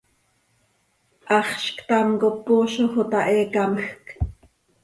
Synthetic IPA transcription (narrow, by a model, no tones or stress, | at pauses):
ʔɑχʃkt̪ɑmkopːuːʃoxot̪ɑʔɛːkɑməxk